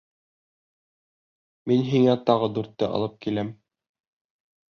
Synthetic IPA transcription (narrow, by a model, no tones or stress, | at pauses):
minɦiŋæt̪ɑʁɤd̪ʉɾt̪ːɘʔɑ̰lˠɤp̚kilæm